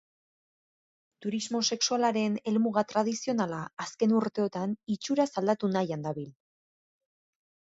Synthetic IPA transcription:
t̪uɾizmo̞se̞ksualaɾe̞ne̞lmuɣat̪ɾað̞isio̞nalaːske̞nuɾt̪e̞o̞t̪anit͡ʃuɾasald̪at̪unajand̪aβil

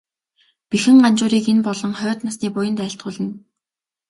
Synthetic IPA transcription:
pixɘ̆ŋɢant͡ɕʊːɾiːkenpɔɮɞ̆ŋχœːt̪nasniːpʊjə̆nt̪æːɪ̆ɬt̪̚ɢʊːɮə̆n

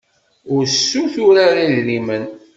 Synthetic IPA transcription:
ʊɾsːuθʊɾaɾalːimən

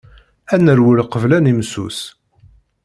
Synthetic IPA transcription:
ænəɾwəlqəvlænimsṵs

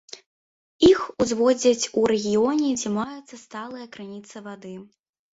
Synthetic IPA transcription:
ixuzvɔd͡zʲɐt͡sʲuɾɛɣʲijɔnʲɛd͡zʲɛmajɛt̪sɐst̪alˠɨjɐkɾɨnʲit̪sɐvad̪ɨ

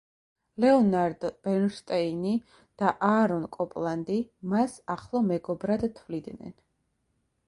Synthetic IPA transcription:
lɛɔnaɾd̪b̥ɛnʃt̪ʼɛini | d̪̥aʔaɾɔnkʼɔpʼlˠand̪imasaχlˠɔmɛɡɔbɾad̪t̪ʰvlid̪nɛ̰n

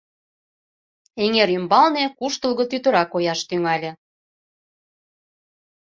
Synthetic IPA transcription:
eŋeɾymbɑlnekuʃt̪ə̆lɣɤ̆t̪yt̪ə̆ɾɑkojɑʃt̪yŋɑlʲĕ

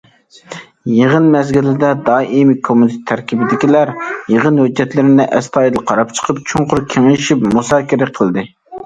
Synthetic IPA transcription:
jeʁənmɛzɡʲilɪd̪ɛd̪ɑːʔimɪkʰomut̪ʰɪt̪ʰːæɾkʲibɪd̪ɪkʲilæɾjeʁənhød͡ʒːɛt̪lɪɾɪnɪʔɛst̪ʰɑːjd̪ɨlˠqʰɑɾɑp̚t͡ʃʰə̥qʰəpt͡ʃʰuɴqʊɾkʲʰeŋɪlɪʃipmusɑːkʲiɾɪqʰəlˠd̪ɨ

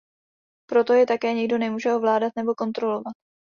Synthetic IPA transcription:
pɾo̞t̪o̞jɛt̪akɛːɲɛɡdo̞nɛmuːʒɛo̞vlaːdat̪nɛbo̞ko̞nt̪ɾo̞lo̞vat̪

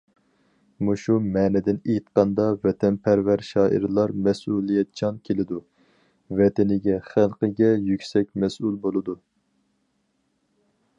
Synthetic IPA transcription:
muʃumɛːnɛd̪ɪnejt̪qɑnd̪ɑvɛt̪ʰɛnpʰæɾvæɾʃɑːʔḭɾlˠɑɾmɛsulˠijɛt̪̚t͡ʃʰɑnkʲʰelɪd̪u | vɛt̪ɪnɪɡʲɛχælˠqəɡʲɛjykʲsɛk̚ʲmɛsulˠbolˠɨd̪u

